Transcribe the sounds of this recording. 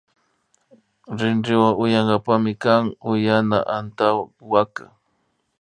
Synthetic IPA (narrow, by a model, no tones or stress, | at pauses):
ɾɪnɾɪwaŋʊjaɴɢɑpamɪkaŋʊjana̰ʔant̪awwaka